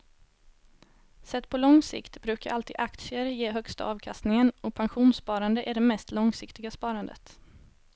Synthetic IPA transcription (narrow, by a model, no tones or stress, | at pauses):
sɛt̪ːpʰɔlɔŋsɪ̰kt̪bɾʉ̟ːkaɾʔalt̪ḭːd̪ʔak̚t̪sɪəɾjeːɦœkst̪a̰ɑːvkʰast̪nɪŋənɔpʰanɧuːnspɑːɾand̪əʔæɖɛmɛst̪lɔŋsɪkt̪ɪɡaspɑːɾand̪ə̰t̪